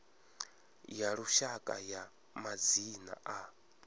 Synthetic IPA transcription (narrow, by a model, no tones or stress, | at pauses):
jaɺuʃakʼa̰ja | mad͡zina̰ʔa